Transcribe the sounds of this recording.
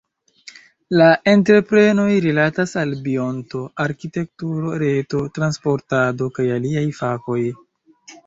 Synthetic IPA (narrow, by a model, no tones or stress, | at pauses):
lae̞ntɾe̞pɾe̞no̞jɾilatasalbio̞nto̞aɾkite̞k̚tuɾo̞ɾe̞to̞tɾanspo̞ɾtado̞kajaliajfako̞j